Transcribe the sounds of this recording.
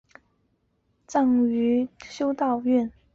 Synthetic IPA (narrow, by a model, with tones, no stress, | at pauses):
t͡sɑ˥˩ŋy˧˥ɕjo˥ʊt̪ɑ˥˧ʊy˥˩n